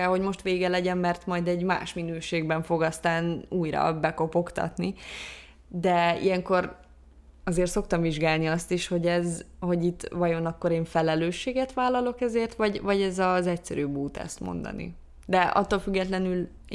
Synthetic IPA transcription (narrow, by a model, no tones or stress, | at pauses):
ɛlɦo̞ɟmo̞ʃt̪ʋeːɡɛlɛɟɛmːɛrt̪mɒjd̪ɛɟma̰ːʃminøːʃeːɡbɛɱfo̞ɡɒst̪aːnuːjɾɒ̰bɛko̞po̞kt̪ɒ̰t̪ni | d̪ɛḭjɛŋko̞r | ɒzeːrt̪so̞k̚t̪ɒɱviʒɡaːlniɒst̪iʃho̞ɟɛzho̞ɟit̪ːvɒjo̞nɒkːo̞ɾeːɱfɛlɛløːʃːeːɡɛt̪ʋaːlːɒlo̞kɛzeːrt̪ʋɒɟvɒɟɛzɒzɛcsɛ̰ɾyːbuːt̪ɛ̰st̪mo̞̰nd̪ɒ̰nḭ | d̪ɛʔɒ̰t̪ːolfyɡːɛt̪lɛnyl